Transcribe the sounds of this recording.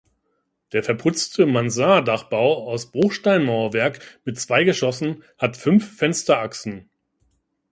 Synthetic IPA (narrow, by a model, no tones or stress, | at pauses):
d̥eːɐfɛɐpʰʊt͡stʰəmanzaːdaχb̥aʊaʊsb̥ʁʊχʃtaɪnmaʊɐvɛɐkmɪtt͡sv̥aɪɡəʃɔsn̩hatfʏnfːɛnstɐʔaksn̩